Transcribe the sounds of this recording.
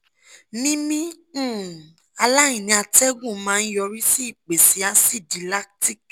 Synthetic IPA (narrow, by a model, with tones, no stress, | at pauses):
nĩ˦mĩ˦˨ | a˧la˦ĩ˨nĩ˧˦a˧tɛ˦ɡũ˦˨˦mãː˦˧˦jɔ˧ɾi˦si˦˨k͡pe˨si˨˦a˦si˦˨di˨˦la˦kti˦˨k